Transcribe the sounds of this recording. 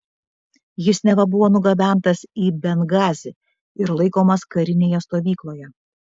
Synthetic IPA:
jɪsnʲɛʋɐbʊʋoːnʊɡɐbʲæˑnt̪ɐsiːbʲɛnɡɑːzʲɪ | ɪɾlˠɐɪkoːmɐskɐɾʲɪnʲeːjɛst̪oːʋʲiːklˠoːjɛ

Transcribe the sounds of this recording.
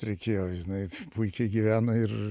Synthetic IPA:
ɾʲɛɪkʲeːjoːʒɪnɐɪpuɪkʲɛɪɡʲiʋʲæːnɐɪr

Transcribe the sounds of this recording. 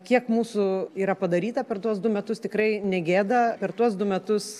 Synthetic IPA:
kʲiɛkmuːsʊiːɾɐpɐd̪ɐɾʲiːt̪ɐpʲɛrt̪uɔsd̪ʊmʲɛt̪ʊst̪ʲɪkɾɐɪnʲɛɡʲeːd̪ɐpʲɛrt̪uɔsd̪ʊmʲɛt̪ʊs

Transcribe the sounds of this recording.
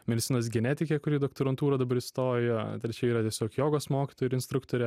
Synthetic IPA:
mʲɛd̪ʲɪt̪sʲɪnoːs̬ɡʲɛnʲæt̪ʲɪkʲeːkʊɾʲiːd̪okt̪oɾɐnt̪uːɾɐd̪ɐbɐɾɪst̪oːjjjt̪ɾʲɛt͡ʃʲɛiːɾɐt̪ʲiɛsʲoːkjoːɡoːsmoːkʲɪt̪oːjɪʊɪnst̪ɾʊkt̪oːɾʲɛ

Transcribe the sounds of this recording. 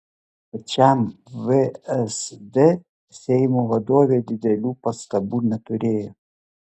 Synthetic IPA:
pɐt͡ʃʲɛmʋeɛsd̪ʲe | sʲɛɪmoːʋɐd̪oːʋʲeːd̪ʲɪd̪ʲɛlʲuːpɐst̪ɐbuːnʲɛt̪ʊɾʲeːjoː

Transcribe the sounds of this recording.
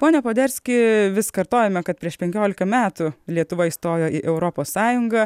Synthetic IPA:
poːnʲɛpoːd̪ʲɛɾʲsʲkʲɪʋʲɪskɐɾt̪oːjɛmʲɛkɐt̪̚pʲɾʲiɛʃpʲɛŋʲkʲoːlʲɪkɐmʲæːt̪ʊlʲiɛt̪ʊʋɐist̪oːjoːʔiːʔɛʊɾoːpoːsːɑːjʊŋɡɐ

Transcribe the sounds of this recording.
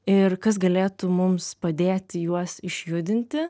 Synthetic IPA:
ɪrkɐs̬ɡɐlʲeːt̪ʊmʊmspɐd̪ʲeːt̪ʲɪjuɔsɪʃʲjʊd̪ʲɪnʲt̪ʲɪ

